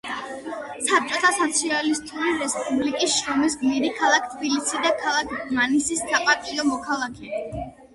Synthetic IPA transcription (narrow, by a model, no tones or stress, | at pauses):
sap̚t͡ʃʼɔt̪ʰasat̪sʰialist̪ʼuɾiɾɛspʼublikʼisʃɾɔmis̬ɡmiɾikʰalˠakʰt̪ʰbilisid̪akʰalˠakʰmanisisːapʼat̪ʼiɔmɔkʰalˠakʰɛ